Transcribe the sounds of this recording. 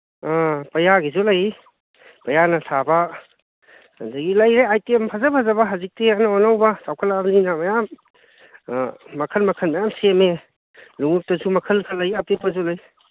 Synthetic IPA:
apɐjaɡizulaj | pɐjanɐsʰaba | ndaɡilajɾeajtiempʰazapʰazɐbaɦazik̚tianaɔnawbasawkʰalabninamɐjam | ɐkʰɐnmɐkʰɐnmɐjamseme | luŋuk̚tɐzumɐkʰɐlkʰɐlːajapep̚kazulaj

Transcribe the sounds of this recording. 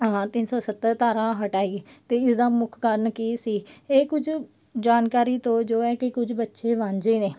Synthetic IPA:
ɦãːt̪ɪnsɔːsət̪ːəɾt̪aːɾãːɦəʈaːiːt̪eːɪsd̪aːmʊkʰkəɾnkiːsiːeːkʊd͡ʒʰ | d͡ʒaːnkaːɾiːt̪õːd͡ʒoːɛːkɪkʊd͡ʒbətːʃeːʋãːɲd͡ʒeːneː

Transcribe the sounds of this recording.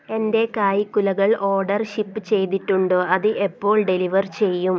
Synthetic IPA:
e̞nde̞kaːjikːulɐɣɐɭʔo̞ːrɖɐrɕipːɨt͡ɕe̞jt̪iʈːuɳɖoːɐðɨʔe̞pːo̞ːɭɖe̞liʋɐrt͡ɕe̞jːum

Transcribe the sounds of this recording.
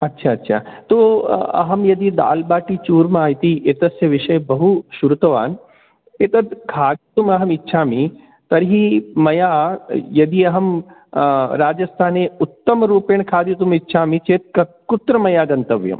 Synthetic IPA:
ɐtːʃʰaːɐtːʃʰa̰ːt̪oːɐ̰ɦɐmjɐd̪id̪a̰ːlbaːʈit͡ʃuːɾmaːjt̪iʔet̪ɐsjɐʋɪʃɐjbɐɦuʃuɾut̪ɐʋa̰ːn | et̪ɐd̪kʰaːd̪it̪umɐɦɐmitːʃʰaːmi | t̪ɐɾɦimɐjaːjɐd̪iɐɦɐm | ɾaːd͡ʒɐst̪ʰaːneʊt̪ːɐmɾuːpeːɳkʰaːd̪jit̪̬umitːʃʰaːmit͡ʃeːt̪̚ɐ | kʊt̪ɾɐmɐjaːɡɐnt̪ɐʋjɐ̰m

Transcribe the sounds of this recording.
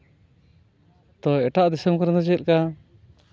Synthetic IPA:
t̪ɔɛʈaʔd̪ɛsəmkɔɾd̪ɔd͡ʒɛl̚ka

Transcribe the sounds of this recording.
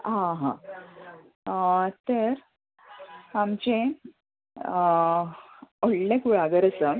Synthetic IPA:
ɦãɦã | t̪əɾ | amt͡ɕẽ | oɽlẽkuɭaɡəɾət͡sə

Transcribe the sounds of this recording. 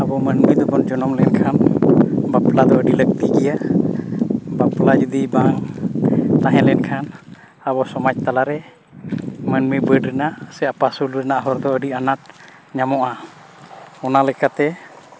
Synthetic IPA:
abɔmənmid̪ɔbɔnd͡ʒɔnɔmlɛnkʰanbaplad̪ɔəɖilək̚t̪iɡija | baplad͡ʒud̪ibaŋ | t̪aɦɛ̃lɛɛnkʰan | abɔsɔmac̚t̪alaɾɛ | mənmibəɖɾɛnaʔsɛapasulɾɛnaʔɦɔɾd̪ɔəɖianaʈ̚ | ɲamɔʔa | ɔnalɛkat̪ɛ

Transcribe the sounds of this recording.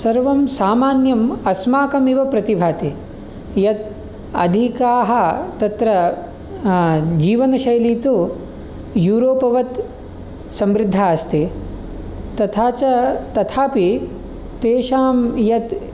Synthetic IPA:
sɐɾʋɐmsaːmaːnjɐmɐsmaːkɐmiʋɐpɾɐt̪ibʱaːt̪i | jɐt̪ | ɐ̰d̪ʱikaːɦɐt̪ɐt̪ɾɐ | d͡ʒiːʋɐnɐʃɐjɐliːt̪u | juːɾoːpɐʋɐt̪ | sɐmɾɪd̪ʱːaːɐst̪i | t̪ɐt̪ʰaːt͡ʃɐt̪ɐt̪ʰaːpi | t̪eːʃaːmjɐt̪

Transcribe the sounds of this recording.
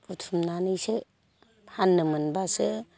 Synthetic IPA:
utʰumnanɯjsɯ | hanːɯmɯnbasɯ

